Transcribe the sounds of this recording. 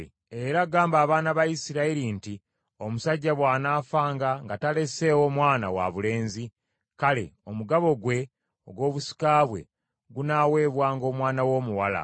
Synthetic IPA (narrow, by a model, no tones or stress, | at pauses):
eɾaɡaːmbaːβaːnaβajisiɾaiɾinti | o̞musaɟːaβwaːnaːfaːŋɡaŋɡatale̞se̞ːwo̞mwaːna̰wa̰βule̞ːnzi | kale̞̰o̞muɡaβo̞ɡwe̞ | o̞ɡwo̞ːβusi̥kaːβwe̞̰ | ɡunaːwe̞ːβwaːŋɡo̞ːmwaːnawo̞ːmuwala̰